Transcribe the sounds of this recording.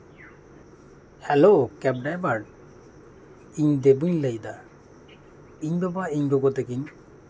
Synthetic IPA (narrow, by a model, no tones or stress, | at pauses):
hɛlokɛb̚ɖajbaɖ | iɲd̪ebɯŋlejd̪a | iɲbɛbaiɲɡɔɡɔt̪ɛɡiɲ